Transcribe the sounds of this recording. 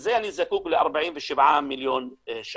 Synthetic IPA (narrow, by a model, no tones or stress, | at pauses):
zajʔanːizakuːklɪʔɑ̰ɾˤbaʕiːnfɪʃɪbʕaːmːɪljoːnʃ